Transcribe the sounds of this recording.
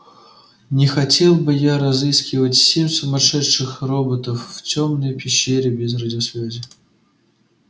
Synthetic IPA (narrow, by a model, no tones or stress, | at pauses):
nʲɪxɐtʲelˠbɨjaɾɐzɨskʲɪvətʲsʲemʲsʊmɐʂɛtʂɨxrobət̪əfːtʲomnəjpʲɪɕːeɾʲɪbʲɪzrədʲɪsvʲæzʲɪ